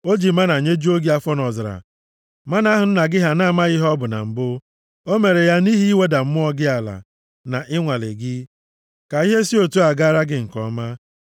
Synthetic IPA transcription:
o˦d͡ʒi˨ma˦na˨ɲe˦d͡ʒu˦o˦ɡi˦a˦fɔ˦nɔ˨zɾa̰˨ | ma˦na˦ɦʊ˨n̩˦na˨ɡɪ˦ɦa˨na˦˨ma˦ɣɪ˦ɦɔ˦bʊ˨na̰˨m̩˨bʊ˦ | o˦me˨ɾe˨ja˦ni˦ɦi˦we˦da˨m̩˦mʊ˦ɔ˦ɡɪ˦a˨la̰˨ | na˨ʔɪ˦ŋʷa˨lɪ̰˨ɡɪ˦ | ka˨i˦ɦe˦si˦o˨tu˦a˨ɡa˦ɾa˦ɡɪ˨ŋ̩˨kɔ̰˨ma˦

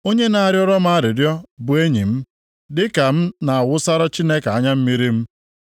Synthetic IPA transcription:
o˦ɲe˦na˨a˨ɾjɔ˦ɾɔ˦m˦a˦˨ɾɪ˨djɔ˦bʊ˨e˦ɲḭ˨m̩˦ | dɪ˦ka˨m̩˦na˨a˨wʊ˦sa˦ɾa˦t͡ʃi˦ne˦ka˨ɲa˦m̩˦mi˦ɾi˦m̩˦

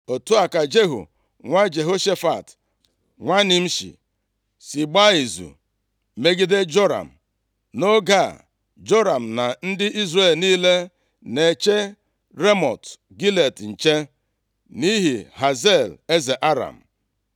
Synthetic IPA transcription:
o˨tu˦a˨ka˨d͡ʒe˦ɦṵ˨ | ŋʷa˦d͡ʒe˨ɦo˦ʃe˦fa˨t | ŋʷa˦ni˦m̩˦ʃḭ˨ | si˨ɡ͡ba˦i˨zṵ˨ | me˦ɡi˦de˦d͡ʒo˦ɾa̰˨m̩˨ | no˦ɡa˦˨ | d͡ʒo˦ɾa˨m̩˨na˨n̩˦dɪ˦ʔi˦zɾe˦˨lniː˦le˦ | ne˨t͡ʃe˦ | ɾe˦mɔ̰˨t | ɡi˦le˨tn̩˨t͡ʃe˦ | ni˦ɦi˨ɦa˨ze˦˨le˦ze˨ʔa˦ɾa̰˨m̩˨

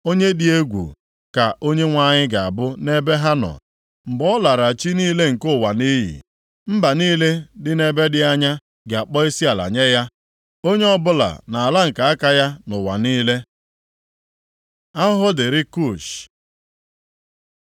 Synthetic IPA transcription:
o˦ɲe˦di˦e˦ɡʷṵ˨ | ka˨ʔo˦ɲe˦ŋʷa˦ɲɪ˦ɡa˨a̰˨bʊ˦ne˦be˦ɦa˦nɔ̰˨ | m̩˨bɔ˦la˨ɾa˨t͡ʃi˦niː˦le˦ŋ̩˨kʊ˦˨wa˨ni˦ɦḭ˨ | m̩˦ba˨niː˦le˦dɪ˦ne˦be˦dɪ˦a˦ɲa˦ | ɡe˨a˨k͡pɔ˦i˦si˦a˨la̰˨ɲe˦ja˦ | o˦ɲe˦ɔ˦bʊ˦la̰˨na˨a˨la˦ŋ̩˨ka˨a˦ka˦ja˦nʊ˨wa̰˨niː˦le˦ | a˦ɦʊ˦dɪ˨ɾɪ˦ku˦˨ʃ

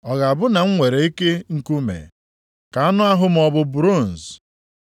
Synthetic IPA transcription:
ɔ˨ɣa˨a˨bʊ˦na˨ŋ̩˦ŋʷe˨ɾe˨i˦ke˦ŋ̩˦ku˦mḛ˨ | ka˨a˦nʊ˦a˦ɦʊ˦m̩˨ɔ˨bʊ˨bɾu˦˨n̩˨s

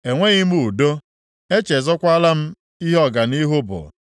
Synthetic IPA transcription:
e˨ŋʷe˦ɣi˦m˦u˨do˦ | e˦t͡ʃe˨zɔ˦kʷa˦la˦m̩˦ | i˦ɦɔ˦ɡa˨ni˦ɦʊ˦bʊ̰˨

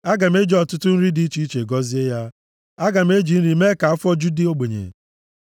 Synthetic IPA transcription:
a˦ɡa˨m̩˦e˦d͡ʒɔ˨tʊ˦tʊ˦n̩˦ɾi˦di˨˦t͡ʃi˦i˦t͡ʃe˨ɡɔ˦zi˦e˦ja˦ | a˦ɡa˨m̩˦e˦d͡ʒi˨n̩˦ɾi˦me˦ka˨a˦fɔ˦d͡ʒu˦di˦o˦ɡ͡be˨ɲḛ˨

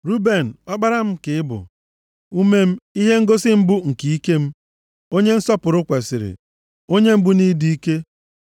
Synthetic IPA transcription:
ɾu˦be˨n̩˨ɔ˦ɡ͡ba˦ɾa˦m̩˦kɪ˨ɪ˦bʊ̰˨ | u˦me˦m̩˦i˦ɦe˦ŋ̩˦ɡo˦sɪ˦m̩˦bʊ˦ŋ̩˨ki˨i˦ke˦m̩˦ | o˦ɲe˦n̩˦sɔ˦pʊ˨ɾʊ˦kʷe˨sɪ̰˨ɾɪ̰˨ | o˦ɲe˦m̩˦bʊ˦ni˦di˦i˦ke˦

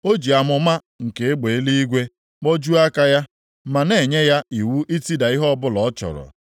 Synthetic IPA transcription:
o˦d͡ʒi˨a˨mʊ˨ma˦ | ŋ̩˨ke˨e˦ɡ͡be˨e˦li˦i˦ɡʷe˦ | ɡ͡bɔ˦d͡ʒu˦a˦ka˦ja˦ | ma˨ne˨ɲe˦ja˦i˨wu˦ʔi˦ti˦da˨i˦ɦɔ˦bʊ˦lɔ˨ɔ˦t͡ʃɔ̰˨ɾɔ̰˨

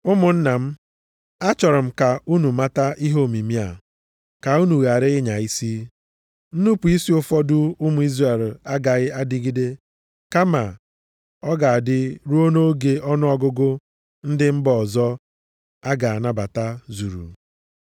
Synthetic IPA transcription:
ʊ˦mʊ˨n̩˦na˨m̩˦ | a˦t͡ʃɔ˨ɾʊ˨m̩˦ka˨u˦nu˨ma˦ta˦ʔi˦ɦo˦˨mi˨mi˦a̰˨ | ka˨u˦nu˨ɣa˨ɾɪ˦ɪ˦ɲa˨i˦si˦ | n̩˦nu˦pu˨i˦si˦ʊ˦fɔ˦dʊ˦ʊ˦mʊ˦i˦zra˨e˨la˦ɡa˨ɣɪ˦a˦dɪ˦ɡi˦de˦ | ka˦ma˨ | ɔ˦ɡa˨a˨dɪ˦ɾu˦o˦no˦ɡe˨ʔɔ˦nʊ˦ɔ˦ɡʊ˦ɡʊ˦ | n̩˦dɪ˦m̩˦bɔ˨zɔ˦ | a˦ɡa˨a˨na˦ba˨ta˦zu˨ɾṵ˨

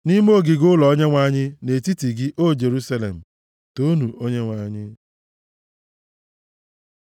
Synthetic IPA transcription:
ni˦m˦o˦˨ɡɪ˨ɡʊ˦lɔ˨o˦ɲe˦ŋʷa˦ɲɪ˦ne˨ti˦ti˨ɡɪ˦ʔo˦d͡ʒe˨ɾu˦sa˦lḛ˨m̩˨ | to˦nu˨ʔo˦ɲe˦ŋʷa˦ɲɪ˦

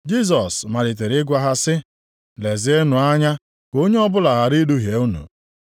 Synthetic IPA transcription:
d͡ʒi˦s̬ɔ˨sma˨ɾɪ˨t̬e˨ɾɪ˦ɡʷa˦ɦa˦sɪ˦ | le˨zɪ˨˦e˦nʊ˨a˦ɲa˦ | ko˦ɲe˦ɔ˦bʊ˦la˨ɦa˨ɾi˦du˦ɦe˨u˦nṵ˨

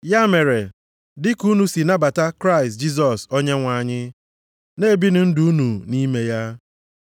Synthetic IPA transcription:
ja˦me˨ɾe˨ | dɪ˦ku˦nu˨si˨na˦ba˨ta˦kɾa˦ɪ˨st̚d͡ʒi˦s̬ɔ˨sɔ˦ɲe˦ŋʷa˨ɲɪ˦ | ne˦bi˦nʊ˨n̩˦du˦u˦nu˨ni˦me˦ja˦

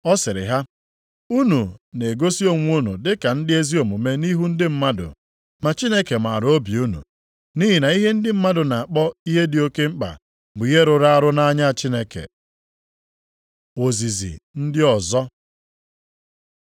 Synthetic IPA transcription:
ɔ˦sɪ˨ɾɪ̰˨ɦa˦ | u˦nu˨ne˨ɡo˦si˦o˦ŋʷ˦u˦nṵ˨dɪ˦ka˨n̩˦dɪ˦e˦zi˦o˨mu˨me˦ni˦ɦu˦n̩˦dɪ˦m̩˦ma˦dʊ̰˨ | ma˨t͡ʃi˦ne˦ke˨ma˨ɾo˦bi˨u˦nṵ˨ | ni˦ɦi˨na˨i˦ɦe˦n̩˦dɪ˦m̩˦ma˦dʊ˨na˨a˨k͡pɔ˦i˦ɦe˦dɪ˨o˦ke˦ŋ͡m̩˦k͡pa̰˨ | bʊ˨i˦e˦ɾʊ˨ɾa˦a˦ɾʊ˦na˦ɲa˦a˨t͡ʃi˦ne˦kḛ˨ | o˨zi˨zḭ˨n̩˦dɪ˦ɔ˨zɔ˦

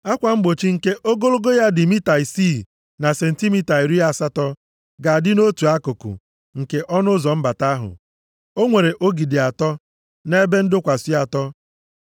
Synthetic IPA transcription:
a˦kʷa˨m̩˦ɡ͡bo˨t͡ʃi˦ŋ̩˨ke˦ʔo˦ɡo˦ɾo˦ɡo˦ja˦dɪ˨mi˦ta˨i˨siː˦˨ | na˨se˨n̩˨ti˦mi˦ta˨i˨ɾi˦a˦˨sa˦tɔ˦ | ɡa˨dɪ˦no˦tu˨a˦ko˨kʊ̰˨ | ŋ̩˨ke˦ʔɔ˦nʊ˦zɔ˨m̩˦ba˨ta˦ɦʊ̰˨ | o˦ŋʷe˨ɾe˨ʔo˦ɡi˨dɪ˨a˨tɔ˦ | ne˦be˦n̩˦dʊ˦kʷa˨si˦a˨tɔ˦

